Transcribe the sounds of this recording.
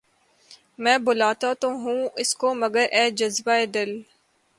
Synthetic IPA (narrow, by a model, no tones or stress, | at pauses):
mɛ̃ːbʊlaːt̪at̪õɦũɪskomɐɡəɾʔɛːd͡ʒɐzbaeːd̪ɪl